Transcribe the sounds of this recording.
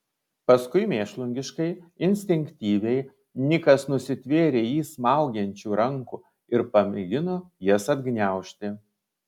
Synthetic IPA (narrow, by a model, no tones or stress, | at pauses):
pɐskʊɪmʲeːʃlˠʊŋʲɡʲɪʃkɐɪɪnʲsʲt̪ʲɪŋʲkt̪ʲiːʋʲɛɪ | nʲɪkɐsnʊsʲɪt̪ʲʋʲeːɾʲeːjiːsmɑˑʊɡʲɛnʲt͡ʃʲuːɾɐŋkuː | ɪɾpɐmʲɪɡʲɪnoːjisɐd̪ɡnʲæˑʊʃʲt̪ʲɪ